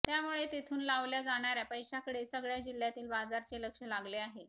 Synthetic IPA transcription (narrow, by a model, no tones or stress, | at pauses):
t̪jamuɭet̪it̪ʰuːnlaʋljad͡zaɽ̃aɾjapəjɕakəɽesəɡɭjad͡ʑil̤ːjat̪iːlbad͡zaɾt͡ɕeləkʂəlaɡleaɦe